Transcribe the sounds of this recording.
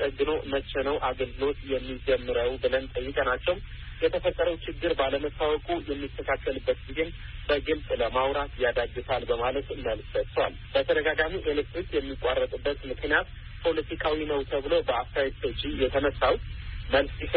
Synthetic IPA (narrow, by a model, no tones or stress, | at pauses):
əɡɨno̞mət͡ʃːɛnəwʔaɡəlɡɨlo̞t̪jɛmːid͡ʒɛmːɨɾəwbɨlənt̪ʼəjːɨkʼənat͡ʃːɛwjɛt̪ʰəfət̪ʼːəɾəwt͡ʃɪɡːɨɾbaləməsawɔkʼujɛmːikːəkʰakːəlɨbːət̪̚ɡizen | bəɡɨlsʼləmawɾat̪jad̪aɡɨsalbəmalət̪məlssətt̪ʰːwa̰lbət̪ʰəd̪əɡaɡamiʔelɨkt̪ɨt̪jɛmːikʼarːət̪ʼɨbːət̪mɨknijat̪ | pʰo̞lət̪ʰikʰawinəwt̪ʰəβɨlo̞bəaft̪aet̪ot͡ʃʼːijɛt̪ʰənəsawməlsi